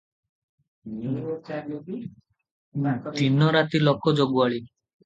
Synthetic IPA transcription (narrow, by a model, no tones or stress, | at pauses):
t̪inɔɾat̪ilɔkɔd͡ʒoɡuaɭi